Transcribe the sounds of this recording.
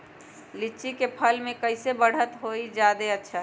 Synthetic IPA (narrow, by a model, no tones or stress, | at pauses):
lit͡ʃikepʰəlmẽkəɪsebəɽ̤ət̪ɦoid͡ʒad̪eətːʃʰa